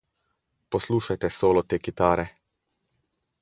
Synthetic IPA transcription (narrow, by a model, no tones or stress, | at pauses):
pɔsluːʃajt̪ɛsoːlɔt̪eːkit̪aːɾɛ